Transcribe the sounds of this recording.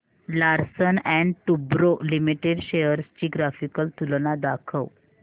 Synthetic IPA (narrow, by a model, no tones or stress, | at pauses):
laɾsənɛ̃ɳɖʈubɾolimiʈeɖɕejəɾst͡ɕiːɡɾafikəlt̪ulnad̪akʰəw